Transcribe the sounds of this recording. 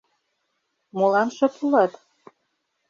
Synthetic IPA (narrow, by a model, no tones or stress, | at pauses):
molɑnʃɤ̆p̪ʰulɑt̪